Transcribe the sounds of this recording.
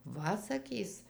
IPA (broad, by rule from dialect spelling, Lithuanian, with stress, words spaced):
ˈʋɐ sɐˈkʲiːs